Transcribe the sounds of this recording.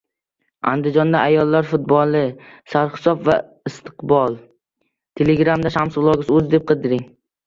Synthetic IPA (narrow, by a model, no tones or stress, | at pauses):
a̰nd̪ɪd͡ʒɒnd̪aʔajɒlˠːaɾfʊt̪̚bɒlˠɪsaɾχɪ̥sɒpva | ɪst̪ʰɨ̥qbɒlˠ | t̪ʰe̞leɡɾamd̪aʃamsʊlˠɒɡʲɪzɵzd̪e̞p̚qʰɨd̪ɪɾɪŋ